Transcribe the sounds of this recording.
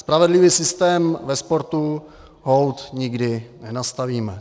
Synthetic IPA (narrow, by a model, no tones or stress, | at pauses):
spɾavɛdlɪviːsɪst̪ɛːmvɛspo̞ɾt̪u | ɦowt̪ɲɪɡdɪnɛnast̪aviːmɛ